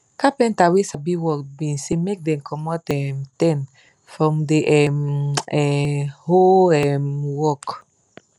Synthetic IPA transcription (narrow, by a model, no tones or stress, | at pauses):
kapɛ̃ntawisabiwɔkbĩnsemek̚dɛ̃mkʰɔmɔtɛmtɛ̃n | fɹɔ̃mdeʔɛmɛhoɛmwɔk